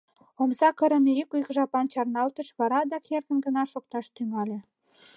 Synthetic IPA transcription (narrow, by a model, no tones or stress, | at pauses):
omsɑkə̆ɾə̆meykujkʒɑpɑnt͡ɕɑrnɑlt̪ə̆ʃβɑɾɑd̪ɑkerɣə̆nɡə̆nɑʃok̚t̪ɑʃt̪yŋɑlʲĕ